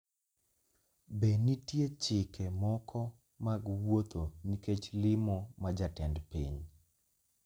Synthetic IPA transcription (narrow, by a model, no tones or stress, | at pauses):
benitjet͡ʃɪkɛmɔkʰɔ | maɡwot̪oniket͡ʃlɪmɔmad͡ʒatɛndpiɲ